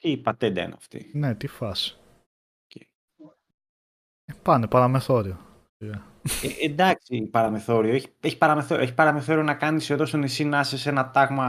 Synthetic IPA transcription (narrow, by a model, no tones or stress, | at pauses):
t̪iːpɐt̪ed̪ɐ̰ḭnɐ̰ft̪ḭnet̪ifɐs | ocḛi | pɐnepɐɾɐmeθo̞ɾio | lɐ | eend̪ɐksipɐɾɐme̞θo̞ɾioeçi̥eçi̥pɐɾɐme̞θo̞ɾoeçi̥pɐɾɐme̞θo̞ɾionɐkɐniseðo̞st̪onisinɐsese̞nɐt̪ɐɣmɐ